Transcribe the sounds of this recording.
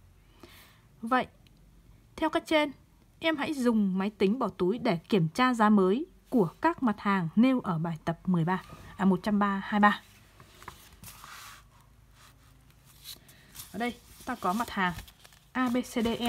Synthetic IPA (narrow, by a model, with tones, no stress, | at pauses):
və̰˧˨jʔ | t̪ʰɛ˧wkaː˦˥k̚t͡ɕe˧n | ʔɛ˧mha̰˧˥jzʊ˨˩ŋ͡mma˨˦jt̪ï˨˦ŋ̟ɓɔ˧˩t̪u˨˦jɗe˧˩ki˧˩əmt͡ɕaː˧zaː˨˦məː˨˦j | ku˧˩əkaː˦˥k̚ma˨˩t̚haː˨˩ŋne˧wʔəː˧˩ɓaː˨˩jt̪ə˨˩p̚mɨ˨˩əjɓaː˧ʔmo˨˩t̚t͡ɕa˧mɓaː˧haː˧jɓaː˧ | ʔəː˧˨˩ɗə˧jt̪aː˧kɔ˨˦ma˨˩t̚haː˨˩ŋ | ʔaː˧ɓe˧se˧ɗe˧ʔɛ˧